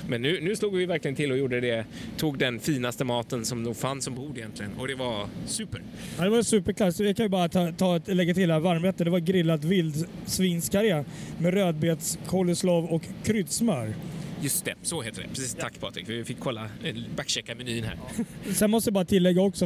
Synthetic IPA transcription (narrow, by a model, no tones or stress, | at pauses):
mɛnːʉ̟ːnʉːsluːɡvɪvæɾklɪɡənt̪ʰɪlːɔjuːɖəd̪ɛt̪ʰuːɡ̚d̪ɛnfiːnast̪əmɑːt̪ənsɔmnuːɡfansːɔmbuːd̪ɪjɛnt̪lɪɡənɔ̰d̪ɛvaɾsʉ̟ːpəɾ | ɑd̪ɛvaɾsʉ̟ːpəɾkʰlat̪sɔjɑkʰanjɵbɑːɾat̪ʰɑt̪ʰɑːt̪lɛɡːat̪ʰɪld̪ɛhævaɾmɛːt̪ːəd̪ɛvaɡɾɪlːat̪vɪld̪sviːnskʰaɾeamɛɾøːd̪̚beːt̪skʰoləsloːvɔkʰːɾʏd̪smœːɾjɵst̪ɛsɔheːt̪əd̪ɛ̰pʰɾɛsiːst̪ʰakːpʰɑːt̪ʰɾɪ̰kfɪfɪkʰːɔlːabakːɕɛkːamɛnyːənhæ̰ːɾsɛnmɔs̬t̪əjabɑːɾat̪ʰɪlːɛɡːaɔksɔ